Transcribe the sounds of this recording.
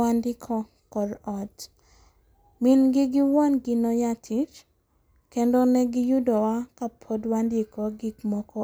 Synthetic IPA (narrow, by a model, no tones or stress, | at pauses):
andɪkʰɔ | kɔɾɔt | minɡɪɡɪwɔnɡɪnɔjatʰit͡ʃ | kɛndɔnɛɡɪjudɔwakapʰodwandɪkɔɡiɡmɔkɔ